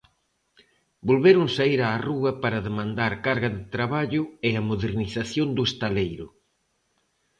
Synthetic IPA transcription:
bolβeɾʊŋsaiɾaːruɐpaɾɐðemãnd̪aɾkaɾɣɐðɪt̪ɾaβaʎʊeɐmoðeɾniθaθjond̪ʊest̪alejɾʊ̰

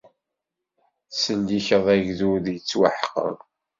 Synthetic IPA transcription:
sənd̪içəðˤæʝðuðjət͡sːwa̰ħqə̰

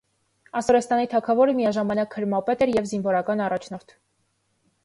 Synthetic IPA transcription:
ɑsɔɾɛst̪ɑnit̪ʰɑkʰɑvɔɾəmijɑʒɑmɑnɑkhəɾmɑpɛt̪ɛɾjɛvzinvɔɾɑkɑnɑrɑt͡ʃʰnɔɾt̪ʰ

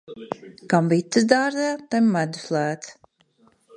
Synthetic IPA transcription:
kamvit̪ːɨsd̪aːɾzɛjat̪ɛmːæd̪u̥slˠæːt̪s

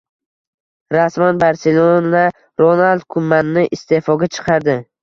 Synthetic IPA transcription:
ɾasmanbaɾselˠola | ɾonalˠd̪̚kʰʊmːanːɪʔɪst̪e̞fɒɡʲat͡ʃʰɨ̥qʰɑɾd̪ɪ

